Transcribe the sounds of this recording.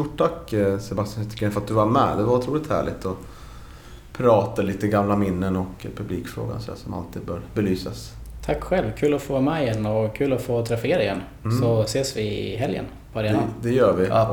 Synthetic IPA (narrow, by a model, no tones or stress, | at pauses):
st̪ʊʈʰːakːsɛbast̪janht̪ə̥kʰɛnfəɾat̪̚d̪ɵvaɾmɛ̰ːd̪ɛvaɾʊt̪ʰɾuːlɪt̪hæ̰ːɭɪt̪ʰɔ | pʰɾɑːt̪aliːt̪əɡamlamɪnːənɔkpʰɵbliːkfɾo̰ːɡa̰nsɔɛ̰sɔma̰lt̪ʰiːd̪̚bœːɾbɛlyːsas | t̪ʰakːɧɛlvkʰʉ̟ːlɔfoːmɛɪjɛnːɔkʰʉ̟ːlɔfoːt̪ʰɾɛfɪeːɾaɪjɛnː | sɔseːsvɪɦɛljə̰n | pʰɔɾeːnad̪ɛjœːɾvɪ